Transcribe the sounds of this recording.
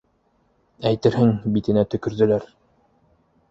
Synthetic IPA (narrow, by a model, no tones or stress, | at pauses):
æjt̪ɘɾɦɘŋbit̪ɘ̆næt̪ɵ̆kɵ̆ɾðɵ̆læɾ